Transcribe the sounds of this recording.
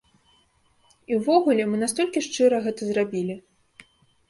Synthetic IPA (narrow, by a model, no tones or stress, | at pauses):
iwvɔɣulʲɛmɨnast̪ɔlʲkʲiʂt͡ʂɨɾɐɣɛt̪ɐzrabʲilʲi